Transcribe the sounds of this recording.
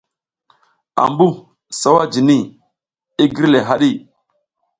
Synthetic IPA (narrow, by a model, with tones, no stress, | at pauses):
a̰˨mbu˦ | sa˦wa˦d͡ʒi˨ni˦˨ | i˦ɡi˦ɾle˨ɦa˦ɗi˦˨